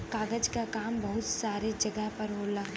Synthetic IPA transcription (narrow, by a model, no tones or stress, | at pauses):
kaːɡəd͡ʒkakaːmbɐɦʊt̪saːɾed͡ʒɐɡəɦpɐɾɦoːlaː